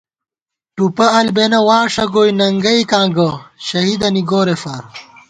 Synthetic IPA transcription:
ʈupɐɐlbenɐwaːʂɐɡoːjnɐŋɡɐikãːɡɐɕɐɦid̪ɐniɡoːɾefɐɾ

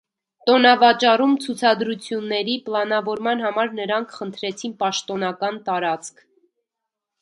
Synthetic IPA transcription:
t̪ɔnɑvɑt͡ʃɑrumt͡sʰut͡sʰɑd̪ɾut͡sʰjunːɛɾipəlɑnɑvɔɾmɑnɦɑmɑɾnəɾɑŋkʰχənt̪ʰɾɛt͡sʰinpɑʃt̪ɔnɑkɑnt̪ɑɾɑt͡skʰ

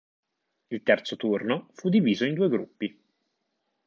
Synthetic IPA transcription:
ilt̪ɛrt̪sot̪urnofud̪ːiviːzoind̪uːeɡɾupːi

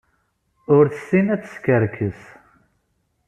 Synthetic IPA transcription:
ʊɾθəsːinæt͡sːə̥skəɾkʰəs

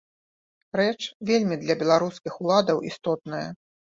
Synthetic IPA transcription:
ɾɛt͡ʂvʲelʲmʲid̪lʲɐbʲɛlˠaɾuskʲixulˠad̪ɐwʔist̪ɔt̪̚nɐjɐ̰

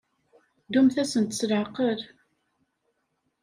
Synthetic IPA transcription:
d̪umθæsənt̪ə̥slqːəɾ

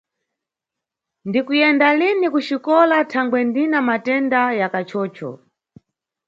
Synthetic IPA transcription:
ndikujɛndalinikut͡ʃikɔlatʰaŋɡwɛndinamatɛndajakat͡ʃʰɔːt͡ʃɔ̰

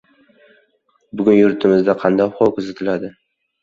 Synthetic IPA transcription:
bʊɡʲʊnjʊɾt̪ʰɪmɪzd̪aqʰɑnd̪ɒjχɒkʰʊzat̪ʰɪlad̪ɪ

